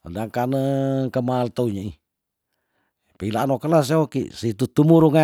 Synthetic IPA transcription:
əndaŋkanəkəmaːlt̪əuɲəi | pilaanokəlas̬eokḭsit̪ut̪umuɾuŋa

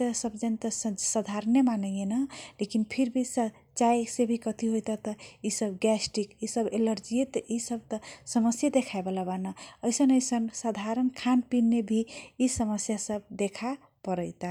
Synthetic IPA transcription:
t̪əsəbd͡ʒənt̪əsəd̪ʱaɾnemanəjenəlekinpʰiɾbʱisə | t͡ʃajsebʱikʌt̪iɦojt̪at̪əisəbɡɛsʈikisəbeləɾd͡ʒijet̪əʔisəb̚t̪əsəməsjad̪ekʰaebelabanaəjsənəjsənsad̪ʱaɾənkʰanpinːebʱisəməsjasəb̚d̪ekʰa | pəɾəjt̪a

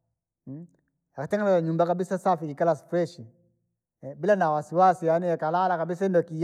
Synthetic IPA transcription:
jakatɛŋɡanaaɲumbakabisasafiikalasfɾɛʃi | bilanawasiwasijaniɛkalalakabis̬aindɔki

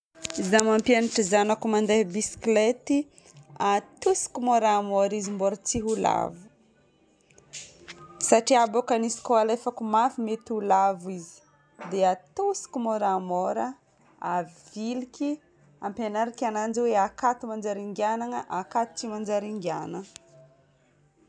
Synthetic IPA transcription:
izamampianiʈ͡ʂizanakumand̪eɦbisi̥klet̪i | at̪usi̥kumoɾamoɾizimboɾət͡siɦula̰vu̥ | saʈ͡ʂiabokanisi̥kalefakumafimet̪ulavizi̥ | d̪eat̪usi̥kʲumoɾamoɾə | av̥ilikʲi | ampenaɾikʲanand͡ʒiweakat̪umand͡ʒaɾiŋɡjanaŋəʔakat̪u̥t͡simand͡ʒaɾiŋɡa̰nə

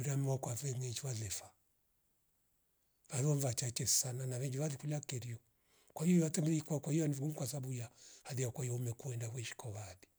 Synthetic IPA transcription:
uɾamɛwakwavɛŋɛt͡ʃialɛfa | vaðɔɱvat͡ʃat͡ʃɛsananavɛŋɡiβaðikulakɛɾiɔ | kwaiiβatɛmikwakwaianiviɡumkwasabujahaðiakwajɔmɛkuɛndahwɛʃi̥kɔβaði

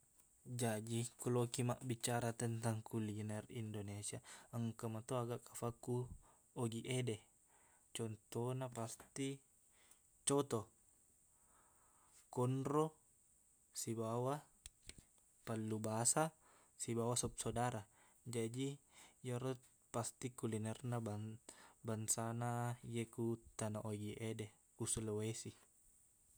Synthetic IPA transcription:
d͡ʒad͡ʒikulokimaʔbit͡ʃaɾat̪ənt̪aŋkulinɛrindonesiaəŋkamat̪oaɡakafakːu | oɡiʔede | t͡ʃɔnt̪onapast̪i | t͡ʃot̪o | kɔnɾo | sibawa | palːubasa | sibawasop̚sodaɾa | d͡ʒadijaɾot̪̚ | past̪ikulinɛrnababansanajekut̪ːanaʔoɡiʔede | usulwesi

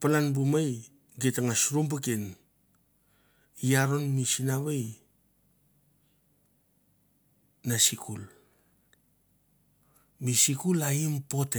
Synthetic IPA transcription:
palanbumaj | ɡetaŋasɾumb̬uken | iaɾo̞nmisinaβej | nasikʰul | misikulaimpo̞te

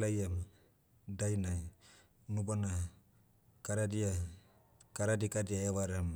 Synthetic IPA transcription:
lajam | dajna | nubana | kaɾadia | kaɾadikadiaewaɾam

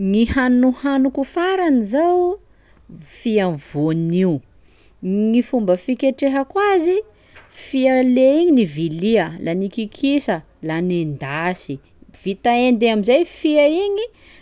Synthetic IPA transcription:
ŋihanuhanukufaɾanizaw | fiavoniu | ŋifumbəfikʲeʈ͡ʂeɦəkwazi | fiəleiɲiniviliəlʔanikikʰisə | lanend̪asi | v̥it̪aend̪eamizajfiaiɲi

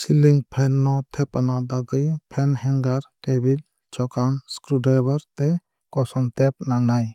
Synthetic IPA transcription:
siliŋpʰɛnːɔt̪ʰɛpɐnad̪aɡɯjpʰɛnhɛŋɡaɾʈebil | t͡ʃɔkanskɾuɖebaɾt̪ɛ | kɔsɔnt̪ɛp̚naŋaj

